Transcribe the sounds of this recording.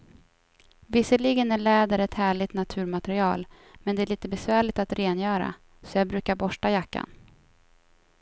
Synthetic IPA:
vɪsəɭiɡənæɭɛːd̪əɾɛt̪hæːɭɪt̪nat̪ʰʉ̟ːɾmat̪ɛɾɪɑːl | mɛnd̪ɛæɭiːt̪əbɛsvæːɭɪt̪at̪ɾeːnjœːɾa̰ | sɔjɑːbɾʉ̟ːkaɾbɔʂʈajakːa̰n

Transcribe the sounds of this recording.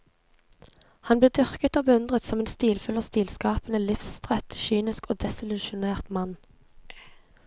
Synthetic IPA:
hɑnbleːd̪ʏʁkət̪oːbəʉnd̪ʁət̪sɔmeːnst̪iːlfʏləʁst̪iːlskɑːpənəlɪfsst̪ʁɛt̪ʃyːnɪskoːd̪ɛsɪlʉʃʊneːʁt̪mɑn

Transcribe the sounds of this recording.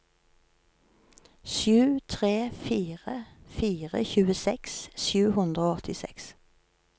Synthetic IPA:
ʃjʉːt̪ʰʁeːfiːʁəfiːʁə̰çʉːəsɛksʃjʉːhʉnd̪ʁəoːɔt̪ɪsɛ̰ks

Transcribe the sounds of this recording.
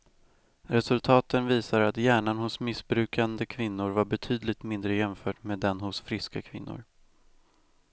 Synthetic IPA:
ɾɛsɵlt̪ʰɑːt̪ənviːsaɾat̪jæːɳanhʊsmɪsbɾʉ̟ːkand̪əkʰvɪnːʊɾvaɾbɛt̪ʰyːd̪lɪɡ̚t̪mɪnd̪ɾəjɛmfœːʈmeːd̪ɛnhʊsfɾɪskakʰvɪnːʊ̰ɾ

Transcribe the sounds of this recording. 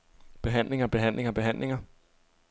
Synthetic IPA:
b̥e̝ɦæn̰le̝ŋɐb̥e̝ɦæn̰le̝ŋɐb̥e̝ɦæn̰le̝ŋɐ

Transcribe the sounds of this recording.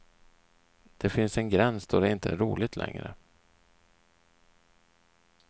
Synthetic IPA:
d̪̥ɛfɪnsɛnɡɾɛnsd̪̥ɔd̪ɛɪnt̪əæɾuːlɪt̪ʰlʔɛ̰ŋɾə̰

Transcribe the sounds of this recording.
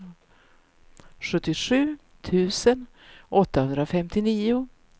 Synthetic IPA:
ɧɵt̪ːɪʂʉ̟ː | t̪ʰʉ̟ːsən | ɔt̪ːahɵnd̪ɾafɛmt̪ɪniːʊ

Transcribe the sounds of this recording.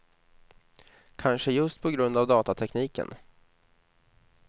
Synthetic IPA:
kʰanʂəjɵst̪̚pʰɔɡɾɵnd̪avd̪ɑːt̪at̪ʰɛkniːkə̰n

